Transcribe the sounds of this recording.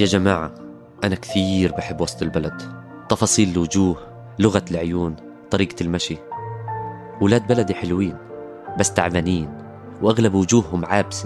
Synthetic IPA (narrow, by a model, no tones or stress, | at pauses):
jaːd͡ʒamaːʕa̰ | ʔanakθiːɾbaħɪbːwɑsˤt̪ˤɪlbalad̪ | t̪ˤɑfɑːsˤiːlːwʊd͡ʒuːh | lʊɣalʕʊjuːn | t̪ˤɑɾiːɡalmaʃi | wɪlaːd̪̚balad̪iħɪlwiːn | basːt̪aʕvaniːn | wʔaɣlabwʊd͡ʒuːhːʊmʕaːbsa